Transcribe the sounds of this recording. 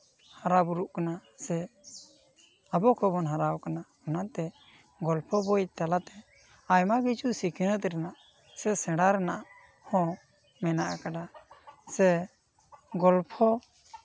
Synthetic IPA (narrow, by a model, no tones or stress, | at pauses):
haɾabuɾuʔkanasɛ | abɔkɔbɔnɦaɾawkana | anat̪ɛ | ɡɔlpʰɔbɔjt̪alat̪ɛ | ajmaɡit͡ʃusikʰinət̪ɾɛnaʔ | sɛsɛ̃ɽaɾɛnaʔ | hɔ̃ | mɛnaʔakaɖasɛ | ɡɔlpʰɔ